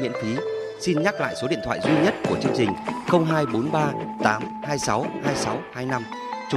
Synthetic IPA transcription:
ḭ˧˥nfi˨˦ | si˧nɲa˦˥k̚la̰ː˧˨jso˨˦ɗḭ˧˨ət̪ʰw̰ːjzwi˧ɲə˦˥t̚ku˧˩ət͡ɕɨ˧əŋt͡ɕï˨˩ŋ̟xə˧wŋ͡mɦaː˧jɓo˨˦nɓaː˧t̪aː˨˦m | haː˧jsa˨˦whaː˧jsa˨˦whaː˧jna˧m | t͡ɕʊ˨˦

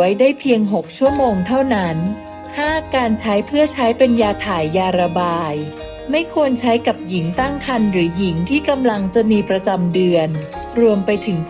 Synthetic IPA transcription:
jdaː˥˩jpʰi˧əŋɦo˨˩k̚t͡ɕʰu˥˩əmoː˧ŋt̪ʰa˥˩wna˦˥n | haː˥˩kaː˧nt͡ɕʰa˦˥jpʰɯ˥˩ɐt͡ɕʰa˦˥jpe˧njaː˧t̪ʰaː˨˩jːaː˧ɾa˧baː˧j | ma˥˩jkʰu˧ənt͡ɕʰa˦˥jka˨˩p̚ji˩˦ŋt̪a˥˩ŋkʰa˧nɾɯː˩˦ji˩˦ŋt̪ʰiː˥˩ka˧mla˧ŋt͡ɕa˨˩miː˧pɾa˧t͡ɕa˧mdɯ˧ən | ɾu˧əmpa˧jt̪ʰɯ˩˦ŋ

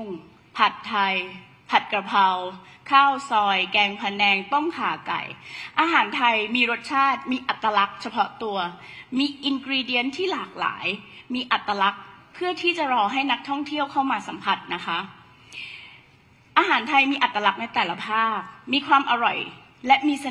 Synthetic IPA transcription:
ŋ | pʰa˨˩t̪ʰːa˧j | pʰa˨˩t̪̚kɾa˧pʰa˧wkʰaː˥˩wsɔː˧jkɛː˧ŋpʰa˧nɛː˧ŋt̪o˥˩ŋkʰa̰ː˩˦ka̰˨˩jʔaː˧ɦaː˩˦nt̪ʰa˧jmiː˧ɾo˦˥t̪̚t͡ɕʰaː˥˩t̪̚miː˧ʔa˨˩t̪ːɾa˧la˦˥k̚t͡ɕʰa˧pʰɔ˦˥t̪u˧ɐ | miː˧ʔi˧nkɾiː˧di˧˦ənt̪ʰiː˥˩laː˨˩k̚la̰ː˩˦jmiː˧ʔa˨˩t̪ːa˧la˦˥k̚pʰːɯ˥˩ɐt̪ʰiː˥˩t͡ɕa˨˩ɾɔː˧ɦa˥˩jna˦˥k̚t̪ʰɔ˥˩ŋt̪ʰi˥˩əwkʰa˥˩wmaː˧sa˩˦mpʰa˨˩t̪̚na˦˥kʰa˦˥ʔ | ʔaː˧ɦaː˩˦nt̪ʰa˧jmiː˧ʔa˨˩t̪ːɾa˧la˦˥k̚na˧jt̪ɛː˨˩la˧˦pʰaː˥˩k̚miː˧kʰwaː˧mʔa˧ɾɔ̰˨˩j | lɛ˦˥miː˧sa˧

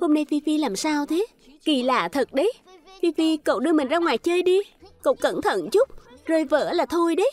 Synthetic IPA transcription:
ho˧mna˧jfi˧fi˧laː˨˩msaː˧wt̪ʰe˨˦ | ki˧˩laː˨˩t̪ʰə˨˩t̚ɗə˨˦j | fi˧fi˧ko̰˧˨wɗɨ˧əmï˨˩ŋ̟zaː˧ŋwaː˨˩jt͡ɕəː˧jɗi˧ko̰˧˨wkə̰˧˩nt̪ʰə̰˧˨nt͡ɕʊ˦˥k͡p̚zoː˨˩jvə̰ː˧˥laː˨˩t̪ʰo˧jɗə˨˦j

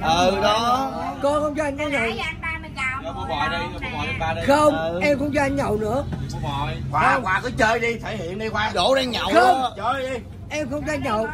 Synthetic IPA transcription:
ʔɨ˨˩ɗɔ˨˦kɔ˧˦xə˧wŋ͡mt͡ɕɔ˧a˧jŋ̟kɔ˨˦zɨ˨˩˨xə˧wŋ͡mʔɛ˧mkʊ̰˧˥ŋ͡mt͡ɕɔ˧ʔa˧jŋ̟ɲə˨˩wnɨ̰˧˥ə˨˩jkwaː˨ɔ˨˧˦waː˨˩kɔ˨˦t͡ɕəː˧jɗi˧t̪ʰe˧˨˩jhḭ˧˨ənɗi˧kwaː˨˦ɗo˧˩˦ɗɛ˧ŋɲa˨˩wə˧mt͡ɕəː˧ɗi˧ | ʔɛ˧mxə˧wŋ͡mzaː˧ɲə˨˩w

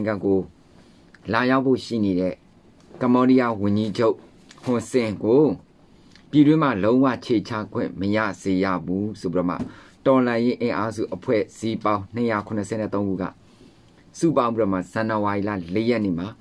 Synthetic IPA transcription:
ŋɡã˨ɡo˨ | la˨ja˦ʊpʰːo̰˦˨ʃḭ˦˨ne˨ɾɛ̰˦˨ | kã˨mbɔ˦ɾi˦ja˦wʊ̃˨ɲd͡ʑi˦d͡ʑo˦ʊʔ | hʊ̃˨nsɪ̃˨ɡo˨ | pji˨dwɪ̃˦m̥a˨lõ˦ʊ̃wä̰˦˨ʔt͡ɕʰe˨t͡ɕʰa̰˦˨ɡwɪ̰̃˦˨məja̰˦˨z̥e˨ja̰˦˨bu˦so˨pi˦ɾɔ˦˨ma̰˦˨ | tɔ˨lã˨je˦ʔɪ̃˨ʔa˦zṵ˦˨ʔəpʰwɛ̰˦˨z̥i˦pã˦ʊ̃n̥ə˨ja˨kʰʊ̃˨nə˨sʰɛ̰˦˨nɛ̰˦˨t̪õ˦ʊ̃ɡu˦˨ɡa̰˦˨ | sṵ˦˨pã˦mbi˦˨ɔ˦˨ma̰˦˨z̥ã˨nə˨wa˨ʔi˨la̰˦˨le˦jɛ˦ʔnḛ˦˨ma˨

